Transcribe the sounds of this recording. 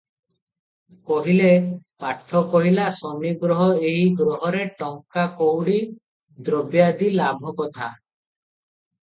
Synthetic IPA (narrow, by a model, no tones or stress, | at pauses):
kɔɦilepaʈʰːɔkɔɦilasɔmiɡɾɔɦɔeɦiɡɾɔɦɔɾeʈɔŋkakowɽi | d̪ɾɔbjad̪ilabʱɔkɔt̪ʰa